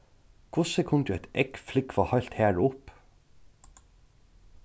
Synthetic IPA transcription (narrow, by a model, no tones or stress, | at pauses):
kʰʊsəkʰʊŋd̪ʉːɛɪt̪ɛkflɪkʰʋɑːhɑlt̪hæːɹʊp